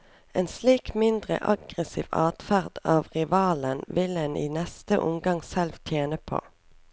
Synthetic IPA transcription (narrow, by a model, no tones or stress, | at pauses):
eːnsliːkmɪnd̪ʁə̰ʔɑɡʁəsḭːʋɑːt̪fæʁd̪̥ɑːʋʁɪʋɑːlənʋɪlɛnḭːnɛst̪əʔʊmɡɑŋsɛlʋt̪ʰjeːnəpʰo̰ː